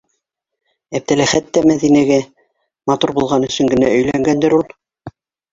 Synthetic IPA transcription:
æp̚t̪ælæχæt̪ːæmæðinæɡæ | mɑt̪uɾbulˠʁɑnɵ̆sɵ̆ŋɡɘ̆næɵ̆jlæŋɡænd̪ɘɾulˠ

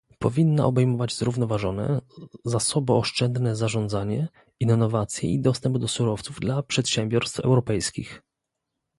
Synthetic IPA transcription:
pɔvʲinːa̰ʔɔbɛjmɔvad͡ʑzɾuvnɔvaʐɔnɛ̰zasɔbɔɔʂt͡ʂɛnd̪nɛzaʐɔnd̪zaɲɛ | inːɔvat̪sʲjɛ̰id̪ɔst̪ɛmbd̪ɔsuɾɔft̪suvd̪lapʂɛt̪ɕɛmbʲjɔɾst̪fɛ̰wɾɔpɛjskʲḭx

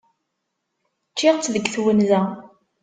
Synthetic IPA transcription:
t͡ʃːɪʁt͡sːðəɡθwənzæ

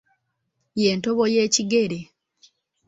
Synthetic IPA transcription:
je̞ːntoβojeːciɡe̞ɾe

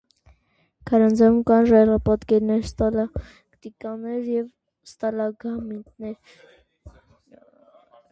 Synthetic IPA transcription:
kʰɑɾɑnd͡zɑumkɑnʒɑjʁɑpɑt̪kɛɾnɛɾst̪ɑlɑ | kt̪ikɑnɛɾjɛv | st̪ɑlɑɡɑmit̪nɛɾ

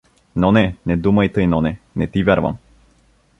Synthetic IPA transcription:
nɔnɛnɛd̪umɐjt̪əjnɔnɛ | nɛt̪ivʲɛɾva̰m

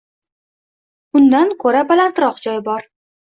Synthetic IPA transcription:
ʊnd̪ankʰɵɾabalant̪ɾɒqd͡ʒɒjbɒɾ

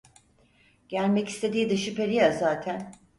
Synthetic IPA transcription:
ɟ̥ælʲmɛci̥st̪ʰe̞d̪iːd̪ɯʃɯpeɾijazaːt̪ʰæn

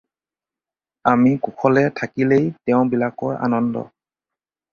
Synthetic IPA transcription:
amikukʰɔlɛtʰakilejtɛʊ̃bilakɔja̰nɔndɔ̰

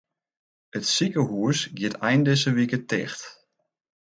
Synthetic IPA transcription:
ətsikəɦuəsɡjɪətʰɛjndɪsəʋikətɛ̰xt

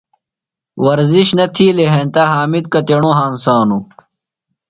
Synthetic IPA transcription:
wɐɾziɕnɐt̪ʰiːleɦẽnt̪aːɦaːmid̪̚kɐt̪eɳõːɦaːnsaːnu

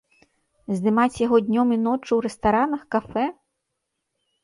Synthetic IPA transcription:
zd̪ɨmat͡sʲjaɣɔd̪ʲnʲɔminɔt͡ʂɨwɾɛst̪aɾanɐxkafɛ

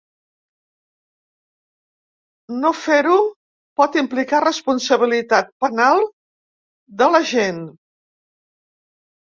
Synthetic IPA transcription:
nofeɾu | pɔt̪implikarəspunsəβ̞ilit̪at̪̚pənalˠ | d̪ələʒen

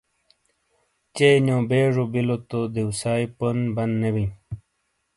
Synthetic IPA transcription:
t͡ɕejnjõːbeːʐobilot̪od̪ewsaːiponbɐnd̪nebĩ

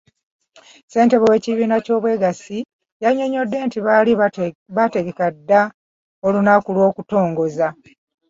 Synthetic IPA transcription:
se̞ːnte̞βowe̞ːciβiːnaco̞ːβwe̞ɡasi | jaɲo̞ɲo̞dːe̞ːntiβaliβate̞ɡe̞kadːa | olunakulwo̞ːkuto̞ːŋɡo̞za

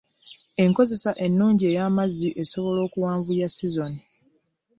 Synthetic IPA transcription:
e̞ŋko̞ze̞saʔe̞nːuːɲɟie̞ːjaːmazːiʔe̞so̞βo̞lo̞ːkuwaːɱvujasizo̞ni

